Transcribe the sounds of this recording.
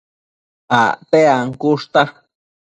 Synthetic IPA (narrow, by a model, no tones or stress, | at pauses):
a̰t̪eaŋkuʂt̪a